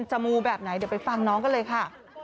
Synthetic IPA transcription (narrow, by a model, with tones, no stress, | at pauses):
nt͡ɕa˧muː˧bɛː˨˩p̚na˩˦jd̪wpa˧jfa˧ŋnɔː˦˥ŋkɔ˥˩lɤː˧jkʰa˥˩